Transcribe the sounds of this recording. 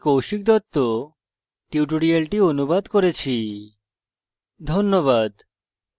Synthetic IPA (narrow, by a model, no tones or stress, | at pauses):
kowʃik̚d̪ɔt̪ːo | ʈiwʈoɽialʈionubad̪koɾet͡ɕʰi | d̪ʱonːoβad̪